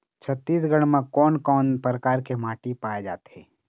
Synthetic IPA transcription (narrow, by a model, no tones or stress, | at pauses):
t͡ʃʰət̪ːiːs̬ɡəɽ̃mẽkɔːnkɔːnpɾəkaːɾkemaːʈipaːjed͡ʒa̰ːt̪ɦɛː